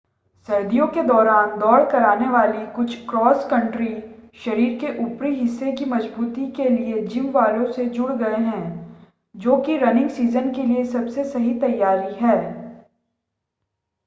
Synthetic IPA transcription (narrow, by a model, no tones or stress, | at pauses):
sɐɾd̪ijõked̪ɔːɾaːnd̪ɔːɽkɐɾaːneʋaːlikʊt͡ʃʰkɾɔːskɐ̃ɳʈɾiʃɐɾiːɾkeʔʊpɾiɦɪsːekimɐd͡ʒbuːt̪ikelied͡ʒɪ̃mʋaːɾjõsed͡ʒʊɽɡɐeɦɛ̃ː | d͡ʒoːkiɾɐnɪ̃ŋɡsiːzənkeliesɐbsesɐɦit̪ɐjːaːɾiɦɛː